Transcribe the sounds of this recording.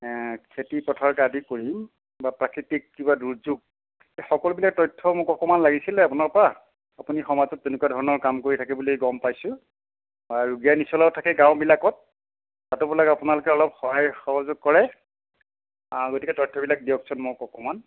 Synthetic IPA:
kʰetipɔtʰaɹkadikoɹim | bapɹakɹitikːibaduɹzuɡ̚ | exɔkɔlʊbilak̚tɔjtʰːɔmʊkɔkɔmanlaɡisilɛapunaɹpɔɹa | apunixɔmazɔtːenʊkuadʱɔɹɔnɔɹkamkoɹitʰakɛbuliɡɔmpajsʊ̃ | baɹuɡijanisɔlawtʰakɛɡãwʊbilakɔt̚ | tatʊbulakapʊnalʊkɛɔlɔpxɔɦajxɔɦɔzʊɡ̚kɔɹɛ | aɡotikɛtɔjtʰːɔbilak̚dijɔk̚sʰɔnmʊjkɔkɔman

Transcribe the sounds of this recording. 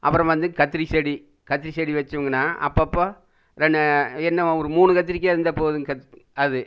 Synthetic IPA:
ʔɐ̰pːɯɾɐ̃ʋɐnd̪ɯkɐt̪ːɪɾisɛɽi | kɐt̪ːɪɾisɛɽiʋɐt͡ʃːɯʋɯŋɡɐnːaːʔɐ̰pːɐpːoː | ɾɛɳɖɛnːɐɔɾɯmuːnɯkɐt̪̬ːɪɾɪkːeɪɾɯnd̪ɐpoːðɯɐɐðɯ

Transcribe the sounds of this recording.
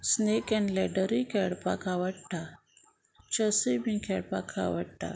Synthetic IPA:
snekɛ̃nlɛɖəɾikɛɽpa̰kʰaʋəɽʈa | t͡ɕəsəjbĩkʰɛɽpa̰kʰa̰ʋə̰ɽʈa̰

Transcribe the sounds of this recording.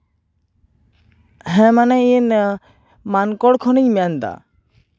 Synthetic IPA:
ɦɛ̃manɛin | mankɔɽkʰɔniɲmɛjand̪a̰

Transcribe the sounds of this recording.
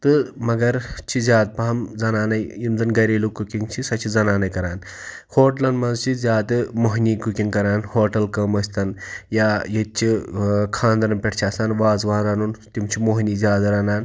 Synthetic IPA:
t̪ɨmɐɡɐɾt͡ʃʰizjaːd̪̚pɐɦɐmd͡zɐnaːnɐjjimd̪ɐnɡɐɾeːlukukiŋt͡ʃʰisɐt͡ʃʰizɐnaːnɐjkɐɾaːn | hoːʈlɐnmɐnzt͡ʃʰizjaːd̪ɨmoɦnikukiŋkɐɾaːnhoːʈɐlkɐmɐsʲt̪ɐnjajet͡ʃʰikʰãːnd̪ɐɾɐnpʲeʈʰt͡ʃʰaːsaːnʋaːzʋaɾanunt̪imt͡ʃʰimoɦnizʲaːd̪ɾɐnaːn

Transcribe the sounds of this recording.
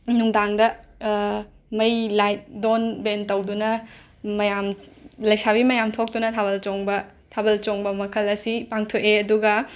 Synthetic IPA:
nuŋdaŋdɐ | mɐjlajt̚donbentɐwdunɐ | mɐjamlɐjsabimɐjamtʰok̚tunɐtʰaβɐlt͡ʃoŋbɐ | tʰabɐlt͡ʃoŋbɐmɐkʰɐlɐsipaŋtʰoʔeɐduɡɐ

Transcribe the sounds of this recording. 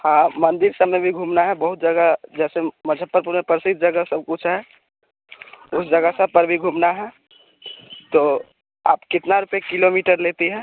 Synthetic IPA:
hãmə̃nd̪ɪɾsəbmebʱiɡʱuːmnaɦɛbəɦʊt̪̚d͡ʒəɡəd͡ʒɛːseməd͡ʒʱəpːəɾpuɾmepɾəsit̪̚d͡ʒəɡəsəb̚kʊt͡ʃʰɦɛ | ʊsd͡ʒəɡəsəpəɾbʱiɡʱuːmnaɦɛ | t̪o | aːpkɪt̪naɾupekɪlomiːʈəɾlet̪iɦɛ̃ː

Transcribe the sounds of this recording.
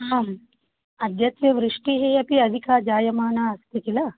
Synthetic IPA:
ɦaːm | ɐd̪ʱjɐt̪ʋjɐʋɾiʂʈiɦeːjɐpiɐd̪ʱikaːd͡ʒaːjɐmaːnaːɐst̪ik̪ilɐ

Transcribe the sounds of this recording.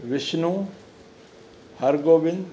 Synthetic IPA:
ʋɪʃnũ | hɐɾɡoːʋɪn

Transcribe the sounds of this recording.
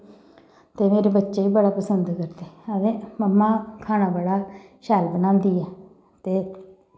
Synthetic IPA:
t̪eːmeːɾeːbətːʃeːiːbəɽaːpəsənd̪kəɾd̪eːəʋẽːməmːãːkʰaːnaːbəɽaːʃɛːlbənãːnd̪iːɛː | t̪eː

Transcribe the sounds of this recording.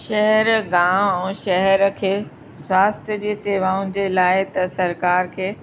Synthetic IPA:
ʃɛɦɛɾɡãːɛ̃ːʃɛɦɛɾkʰeː | swaːst̪ʰjəd͡ʑiːseːʋaːʊnɪ̆d͡ʑeːlaːɪt̪ɐsɐɾkaːɾkʰeː

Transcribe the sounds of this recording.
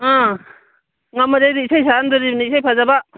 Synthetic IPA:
ã | ŋamaɾajɾiisajsaandɔɾibnisajpʰazaba

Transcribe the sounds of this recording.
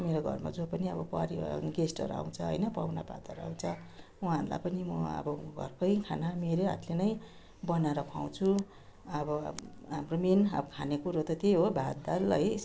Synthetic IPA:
meɾoɡʱʌ̰rma̰d͡zopʌniʌbʌpʌɾiɡesʈʌ̰ɾa̰w̃t͡sʰʌɦʌ̰jnʌpawnapa̰t̪ʌɾa̰w̃t͡sʰʌ | uɦãrla̰pʌnimʌʌ̰bʌɡʱʌ̰rpʰʌjkʰanameɾeɦa̰t̪lenʌj | bʌnaɾʌkʰaw̃t͡sʰu | ʌbʌ̰ɦamrominʌʌkʰanekuɾot̪ʌt̪eɦobʱad̪alʌj

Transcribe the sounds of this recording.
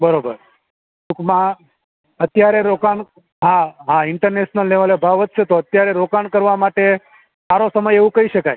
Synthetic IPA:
bəɾobəɾ | tukmã | ət̪jaɾeɾokan | ɦãɦãɪɳʈəɾneʃnəlːeʋalebʱaʋət̪̚t͡ʃʰet̪oət̪jaɾeɾokaɳkəɾʋamaʈe | saɾosəməjeʋũkəiʃəkaj

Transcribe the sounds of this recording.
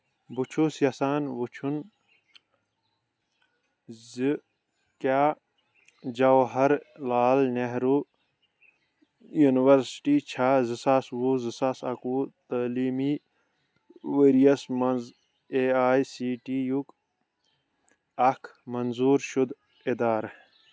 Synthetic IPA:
but͡ʃʰusjɐsaːnbut͡ʃʰun | zɨ | kaː | d͡ʒɐwɦɐɾlaːlneɦɾu | juːniwɐɾsʈiːt͡ʃʰaːzɨsaːswuzɨsasɐ̰kuːt̪ɐːliːmiː | ʋeɾijɐsmɐnz | eːaːisiːʈijuk | ɐkʰmɐnzuːɾʃud̪ | ed̪aːɾ

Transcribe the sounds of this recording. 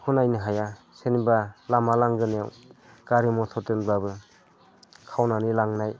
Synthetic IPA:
kʰunajniɦaja | senibalamalaŋɡɯnjaw | ɡ̥aɾimɔtʰɔtɯnbabɯ | kʰawnanilaŋnaj

